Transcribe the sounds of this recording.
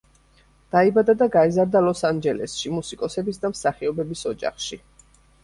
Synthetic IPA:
d̪̥aibad̪ad̪aɡaizaɾd̪alɔsand͡ʒɛlɛ̰sʃimusikʼɔsɛbisd̪amsaχiɔbɛbisɔd͡ʒa̰χʃi

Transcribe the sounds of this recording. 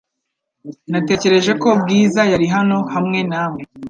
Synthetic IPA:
nate̞ːce̞ɾe̞ʒe̞ko̞bɡiːzajaɾiɦano̞hamŋe̞naːme

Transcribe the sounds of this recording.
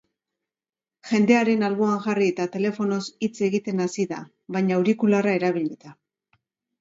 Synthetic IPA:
ʝe̞nd̪e̞aɾe̞nalβoaŋʝariet̪at̪e̞le̞fo̞no̞sit͡se̞ɣit̪e̞nasiða̰ | βajɲauɾikularae̞ɾaβ̞iʎit̪a

